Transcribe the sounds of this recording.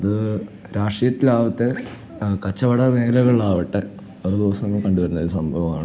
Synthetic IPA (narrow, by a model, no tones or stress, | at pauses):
ɐðɨ | ɾaːʂrijɐt̪ːilaːʋɐt̪ːe | kɐt͡ɕːɐʋɐɽɐneːlɐɣɐɭɭaːʋiʈːe | ored̪iʋɐsɐŋːɐkɐɳɖuʋɐɾunːɐðsɐmbʱɐʋɐma̰ːɳɨ